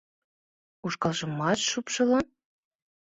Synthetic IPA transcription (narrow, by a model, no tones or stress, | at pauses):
uʃkɑlʒɤ̆mːɑtʃupʃɤ̆lɤ̆n